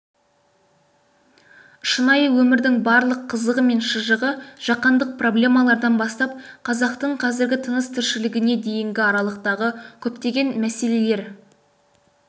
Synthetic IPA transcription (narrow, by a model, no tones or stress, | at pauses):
ʃənɑjəwɵmɪɾd̪ɪŋbɑɾlˠəqʰːəzəʁəme̞nʃəʒəʁəʒ̥ɑqɑnd̪əq̚pro̞blʲe̞mɑlˠɑɾd̪ɑnbɑst̪ɑp̚qʰɑzɑqt̪əɴqʰɑzɪɾɡʲɪt̪ʰənəst̪ʰɪɾʃɪlɪɡʲɪne̞d̪e̞jɪŋɡʲɪɑɾɑlˠəqt̪ɑʁəkʲʰɵpt̪e̞ɡʲe̞nmæse̞le̞le̞ɾ